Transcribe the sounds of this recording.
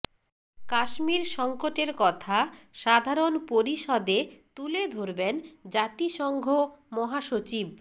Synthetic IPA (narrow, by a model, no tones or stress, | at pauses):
kaʃmiɾʃɔŋkoʈeɾkɔt̪ʰaʃad̪ʱaɾonpoɾiʃɔd̪et̪uled̪ʱoɾbend͡ʑat̪iʃɔŋɡʱomɔɦaʃot͡ɕib